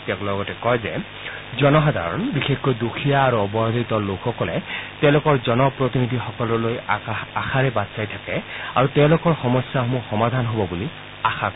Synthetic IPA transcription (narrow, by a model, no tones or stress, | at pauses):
tɛklɔɡɔtɛkɔjzɛ̰ | zɔnɔxad̪ʱa̰ɹɔ̰nbixexɡɔjdukʰijaːɹuɔbɔjd̪ʱɔit̪ɔlokxɔkɔlɛtɛʊ̃lʊkɔɹzɔnɔpɹot̪inid̪ʱixɔkɔlɔlojaxaɹɛbatsajtʰakɛa̰ɹutɛʊ̃lʊkɔɹxɔmɔsjaɦomuxɔmad̪ʱanɦobɔbuli | axak